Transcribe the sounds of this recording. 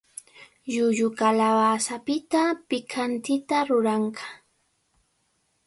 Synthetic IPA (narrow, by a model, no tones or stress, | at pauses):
jʊʎʊkalaβasapɪt̪apɪkʰant̪ɪt̪aɾʊɾɑɴɢɑ̥